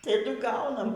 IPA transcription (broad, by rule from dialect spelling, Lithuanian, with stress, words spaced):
tɐˈdʊ ˈɡɐʊnɐm